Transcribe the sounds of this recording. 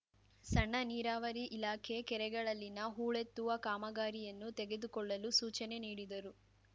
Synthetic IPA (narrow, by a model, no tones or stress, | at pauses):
sɐɳːɐniːɾaːʋɐɾiʔilaːkʰe̞kɛɾɛɡɐɭɐlːinɐɦuːɭet̪ːuʋɐkaːmɐɡaːɾijɐnːut̪ɛɡe̞d̪ukɔɭːɐlusuːt͡ʃɐne̞niːɽid̪ɐɾu